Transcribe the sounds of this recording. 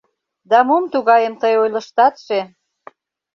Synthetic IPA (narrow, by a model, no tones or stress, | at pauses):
d̪ɑmumt̪uɣɑjəmt̪əjojlə̆ʃt̪ɑt̪ʃe